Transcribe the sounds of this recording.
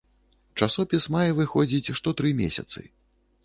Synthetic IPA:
t͡ʂasɔpʲismajɛvɨxɔd͡zʲit͡sʲʂt̪ɔt̪ɾɨmʲḛsʲɐ̰t̪sɨ̰

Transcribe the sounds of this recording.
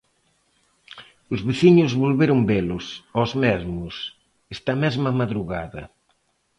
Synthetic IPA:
ʊzβeθiɲʊzβolβeɾʊmbelʊsozmɛzmʊs | ɛst̪ɐmɛzmɐmaðɾuɣaðɐ̰

